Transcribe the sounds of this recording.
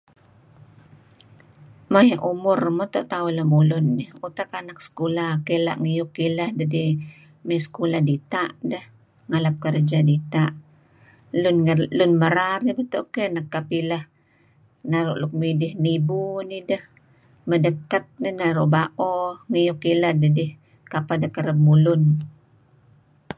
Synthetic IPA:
majaʔumʊrmot̪oʔt̪aʊlamulʊnːiut̪akanaksə̥kulakela̰ʔŋijʊkːilahdadi | masə̥kuladit̪aʔdəh | ŋalap̚kərd͡ʒadit̪aʔ | lʊnlʊnməɾaɾibət̪oʔkenakːapilah | naɾʊʔlʊk̚midɪhnibunidəh | mədəkːat̪̚ninaɾuʔbaʔɔŋijʊkːilahdədɪh | kapadakəɾəb̚mulʊn

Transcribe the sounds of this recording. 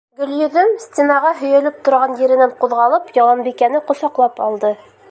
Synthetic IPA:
ɡɵ̆ljɵ̆ðɵmsʲt̪ʲenɑʁɑɦɵ̆jɘ̆lɘp̚t̪ŏɾʁɑnjɘ̆ɾɘ̆næɴquðʁɑlˠɤpjɒlˠɑmbikænɘqŏsɑqlˠɑpɑlˠd̪ɤ

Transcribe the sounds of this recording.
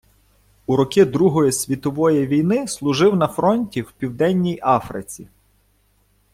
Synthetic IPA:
uɾɔkɪd̪ɾuɦɔjisʲʋʲit̪ɔʋɔjiʋʲijnɪslˠʊʒɪwnɐfɾɔnʲtʲiwpʲiwd̪ɛnʲːijɑfɾɪ̰t͡sʲḭ

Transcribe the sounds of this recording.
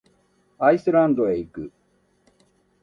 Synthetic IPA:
aisɨɾãnd̪oeikɯ̟

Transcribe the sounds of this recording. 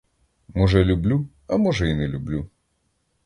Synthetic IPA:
mɔʒɛlʲublʲu | ɐmɔʒɛinɛlʲublʲu

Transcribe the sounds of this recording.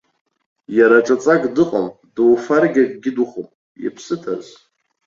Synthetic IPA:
jaɾaʈ͡ʂʼat͡sʼaɡdɨqʼam | dɨwfarɡʲakʼɡʲɪduχom | jḭpʰsɨtʰa̰z

